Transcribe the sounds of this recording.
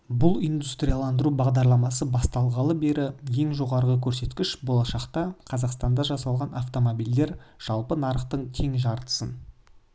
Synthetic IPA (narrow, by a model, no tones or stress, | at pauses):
bʊlˠijnd̪ust̪rʲijalˠɑnd̪əɾubɑʁd̪ɑɾlˠɑmɑsəbɑst̪ɑlˠʁɑlˠəbe̞ɾʔɪje̞ŋʒo̞ʁɑɾʁəkʲʰɵɾse̞t̪kʲɪʃbo̞lˠɑʃɑqt̪ɑqʰɑzɑqst̪ɑnd̪ɑʒɑsɑlˠʁɑnʔaft̪o̞mobild̪e̞ɾʒ̥ɑlˠpənɑɾəqt̪əɴt̪ʰe̞ŋʒɑɾt̪ə̥sən